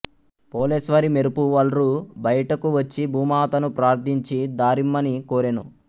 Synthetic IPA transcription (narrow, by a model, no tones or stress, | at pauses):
poːleːsʋɐɾimeɾupuʋɐlɾubɐjɐʈɐkuʋɐt͡ʃːibʱuːmaːt̪ɐnupɾaːɾt̪ʰiɲt͡ʃid̪aːɾimːɐnikoːɾenu